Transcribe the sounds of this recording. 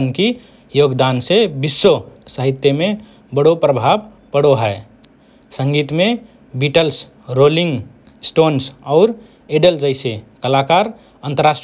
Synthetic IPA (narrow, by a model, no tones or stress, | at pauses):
ənki | joːɡd̪ansebɪsːosəɦɪt̪jəmẽ | bəɽopɾəbʱab | pəɽoɦɛː | sə̃ŋɡiːt̪mẽ | biːʈəls | ɾoːlɪ̃ŋɡ | sʈoːnsɔːɾ | eɖəld͡ʒəɪsekəlaːkaːɾ | ə̃nt̪əɾaːsʈ